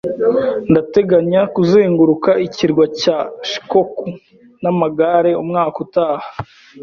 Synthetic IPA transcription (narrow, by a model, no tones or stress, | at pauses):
ndate̞ɡaɲakuzeːŋɡuɾukaiciɾɡwacaʃi̥koku | namaɡaɾe̞umŋaːkutaːhḁ